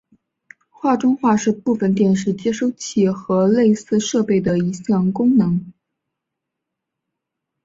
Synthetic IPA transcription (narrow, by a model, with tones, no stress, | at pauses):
xwa˥˩ʈ͡ʂʊ˥ŋxwa˥˧ʂɻ̩˥˧pu˥˩fə˨˩nt̪̬jɛ˥˩nʂɻ̩˥˩t͡ɕjɛ˥ʂo˥˧ʊt͡ɕʰi˥˩xɤ˧˥le˥˧ɪsɹ̩˥˧ʂɤ˥˧pe˥˩ɪd̪ə˩i˧˥ɕjɑ˥˩ŋkʊ˥ŋnɤ˧˥ŋ